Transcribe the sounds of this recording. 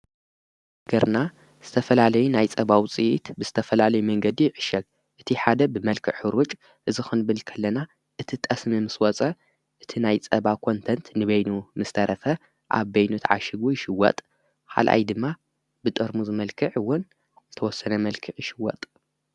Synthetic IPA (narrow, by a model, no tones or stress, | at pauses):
ɡ̥ɐɾna | z̥ɨt̪ʰɐfɐlalɐjunajt͡sʼɐβawt͡sʼiʔit̪bɨz̥ɨt̪ʰɐfɐlalɐjumɐŋɡɐd̪iʕɨʃɐɡ̚ | ʔɨt̪ʰiħad̪ɐbɨmɐlkʰɨʕħɨɾut͡ʃʼ | ʔɨzixɨnbɨlkʰɐlːɐna | ʔɨt̪ʰit̪ʼɐsmimɨswɔt͡sʼɐ | ʔɨt̪ʰinajt͡sʼɐβawkʰo̞nt̪ʰɐnt̪nɨβɐjnumɨst̪ʰɐɾʔɐfɐ | ʔa̰βbɐjnut̪ʰʕa̰ʃɪɡujɪʃɪwɔ̰t̪ʼ | ħa̰lʔa̰jd̪ɨmːa | bɨt̪ʼɐɾmuzɨmɐlkʰɨʕwʊn | zɨt̪ʰɐwɔsːɐnɐmɐlkʰɨʕjɪʃɪwɔ̰t̪ʼ